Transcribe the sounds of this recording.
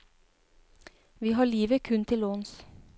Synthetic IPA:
ʋiːɦɑːɭiːʋəkʰʉnt̪ʰɪloːns

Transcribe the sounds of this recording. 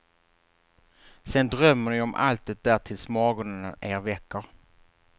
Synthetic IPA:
sɛnd̪ɾœmːənɪɔmʔa̰lt̪̚ʉt̪̚d̪æːʈʰɪlsmɑːɡʊnənaʔeːɾvɛkːəɾ

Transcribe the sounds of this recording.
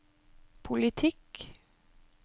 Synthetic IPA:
pʰʊlɪt̪ʰɪk

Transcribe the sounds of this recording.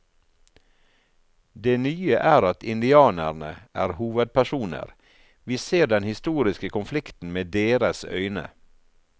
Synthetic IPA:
d̪eːnyːəʔæːɾɑt̪ʰɪnd̪ɪɑːnəɾɳə̰ʔæːɾhuːʋəd̪̚pʰæʃuːnə̰ɾ | ʋiːseːɖɛnhɪst̪uːɾɪskəkʰʊnflɪkt̪n̩meːd̪eːɾəsœ̰ʏnə̰

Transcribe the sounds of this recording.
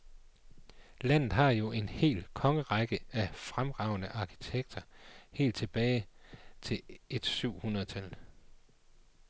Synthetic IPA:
læn̰ð̩ˠɦɑ̈jo̝ʔe̝nhe̝̰ːlkʰɒ̽ŋəʁɑɡ̥əæfʁamʁɑ̈ʊ̰nəʔɑ̈ːkʰi̥t͡sʰeɡ̥̚d̥ɐhe̝̰ːld̥t͡sʰe̝b̥ɛːɪt͡sʰe̝e̝d̥syʊ̰hunɐð̩ˠt͡sʰæl

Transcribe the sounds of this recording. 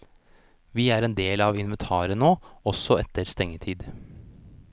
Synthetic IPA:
ʋiːæːɾɛːnd̪eːlɑːʋɪnʋɛnt̪ʰɑːɾənoːɔsɔɛt̪əɾst̪ɛŋːət̪ʰiːd̪

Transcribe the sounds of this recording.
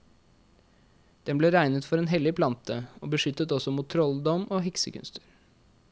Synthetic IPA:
d̪̥ɛnbleːɾæɪnət̪fɔɾeːnɦɛlɪpʰlɑnt̪ʰəo̰ːbəʂʏt̪ːət̪ɔsɔmuːt̪ʰːɾɔld̪ɔmʔoːɦɪksəkʰʉ̰nst̪əɾ

